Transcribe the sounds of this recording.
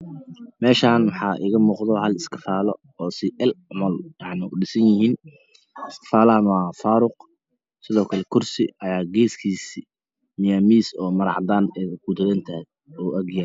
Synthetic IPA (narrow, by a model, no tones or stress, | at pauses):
mɛːʃaːnwɑħɑːʔɪ̰ɣɐmuːqðɔhɐlɪskʰɐ̥faːlɔ | ɔːsɪʔɛlʊmɐljɑʕnɪʊɖɪsɐnjɪɦiːn | ɪskʰɪ̥faːlɐɦɐnwaːfaːɾʊq̚ | sɪðɔːkʰɐlɛkʰʊrsɪ̰ʔɐjaːɡɛːskʰiːsi | mɪjaːmiːsɔːmɐɾɑ̰ʕd̪aːnɛkʰud̪ʰɐðɐnt̪ʰɐ | ɔːʔɐɡjɐɾ